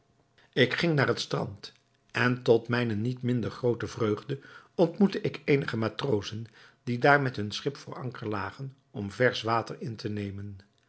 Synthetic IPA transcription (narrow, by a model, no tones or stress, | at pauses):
ɪkχɪŋnaːɹɦətstrɑ̰nt | ɛntɔtmɛjnənitmɪndəɹχrowtəvrøɥχdəɔntmutəʔɪkʰejnəχəmaːtrowzəndidaːɹmɛtɦɵnsχɪpfəɹɑ̰ŋkəɹlaːχən | ɔmvɛɹsʋaːtəɹɪntʰənejmən